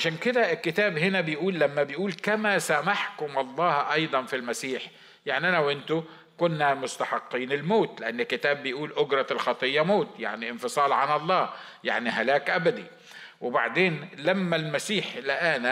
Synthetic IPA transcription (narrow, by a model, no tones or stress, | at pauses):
aʃæːnkɪd̪æɪkːɪt̪æːbɦɪnæbɪjʔuːlːamːæbɪjʔuːlkamasamaħkʊmʔɑlˤːɑːhʔɑjd̪ˤɑnfilmasiːħ | jaʕniʔanawʔɪnt̪ʊ | kʊnːamʊst̪aħɑqːiːnɪlmoːt̪lɪʔanːɪkːɪt̪æːbːɪjʔuːlʔʊɡɾˤɑlxɑt̪ˤɨjːɑmoːt̪ja̰ʕniʔɪnfɨsˤɑːlʕanʔɑlˤːɑː | ja̰ʕniɦalæːkʔabad̪ḭ | wɪba̰ʕd̪eːnlamːalmasiːħlɪʔæna